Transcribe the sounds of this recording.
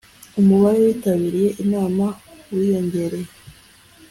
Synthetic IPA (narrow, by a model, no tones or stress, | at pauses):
umuβaɾowiːtaβiɾije̞ʔinaːmawijo̞ɲɟe̞ɾe̞je